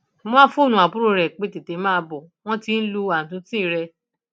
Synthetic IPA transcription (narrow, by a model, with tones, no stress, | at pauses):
mɔ̃˦fo˦˨nũ˨a˨bu˦ɾo˧ɾɛ˨k͡pe˨˦te˨te˨˦mãː˦˧bɔ˨w̃ɔ̃˦ti˧˦n̩˦lu˧a˨n̩˨tũ˧tĩ˦˨ɾɛ˧